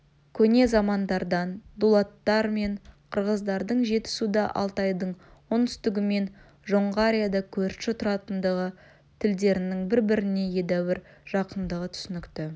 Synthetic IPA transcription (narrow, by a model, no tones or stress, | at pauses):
kʲʰɵne̞zɑmɑnd̪ɑɾd̪ɑnd̪ulˠɑt̪ːɑɾme̞ɴqʰəɾʁəzd̪ɑɾd̪əɴʒe̞t̪ɪ̥sud̪ɑʔɑ̰lˠt̪ɑjd̪əɴwont̪ʰʏ̥st̪ɪɡʲɪme̞n | ʒo̞ɴʁəaɾʲijad̪ɑkʲʰɵɾʃɪt̪ʰʊɾɑt̪ənd̪əʁə | t̪ʰɪld̪e̞ɾɪnɪŋbɪɾbɪɾɪne̞je̞d̪æwɪɾʒ̥ɑqənd̪əʁət̪ʰʏ̥sɪnɪkt̪ɪ